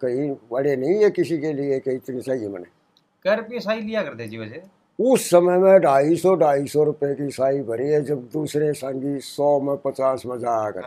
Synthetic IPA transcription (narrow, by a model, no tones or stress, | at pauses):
kəĩːbəɽeːnə̃ĩːɛːkɪsiːkeːlɪeːkeɪt͡ʃ̪neːt͡ʃaːiemə̰nɛː | kəɾpiːsaːiːlɪjaːkəɾd̪eːd͡ʒiːbəd͡ʒeː | ʊsːəməːmɛ̃ːɖaːiːsɔːɖaːiːsɔːɾʊpeːkiːsaːiːbʱəɾiːɛːd͡ʒəb̚d̪uːsɾeːsãːŋɡiːsɔːmə̃pət͡ʃaːsməd͡ʒaːkə̰ɾ